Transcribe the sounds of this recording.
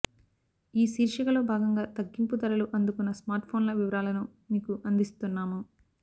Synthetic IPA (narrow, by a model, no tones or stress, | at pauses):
iːsiːɾʃɐkɐlo̞ːbʱaːɡɐŋɡaːt̪ɐɡːimput̪ɐɾɐluʔɐnd̪ukunːɐsmaːɾʈpʰo̞ːnlɐʋiʋɐɾaːlɐnumiːkuʔɐnd̪ist̪unːaːmu